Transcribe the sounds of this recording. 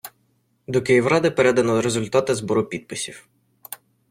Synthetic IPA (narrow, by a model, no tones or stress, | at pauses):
d̪ɔkɪjiwɾɑd̪ɪpeɾɛd̪ɐnɔɾezʊlʲt̪ɑt̪ɪzbɔɾʊpʲid̪̚pɪsʲiw